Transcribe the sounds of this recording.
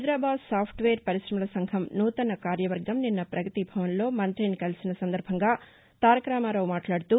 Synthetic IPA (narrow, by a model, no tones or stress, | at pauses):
ɐjd̪ɾaːbaːd̪saːpʰʈʋeːɾpɐɾiʃɾɐmɐlɐsɐŋɡʱɐmnuːt̪ɐnɐkaːɾjɐʋɐɾɡɐmninːɐpɾʔɐɡɐt̪ibʱɐʋɐnlo̞ːmɐnt̪ɾinikɐlisinɐsɐnd̪ɐɾbʱɐŋɡaː | t̪aːɾɐkɾaːmaːɾoːmaːʈlaːɽut̪uː